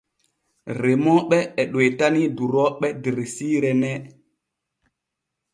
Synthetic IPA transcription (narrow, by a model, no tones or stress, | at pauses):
ɾemɔɓɛːɗojtaniduɾɔɓɛdiɾesiːɾɛnɛ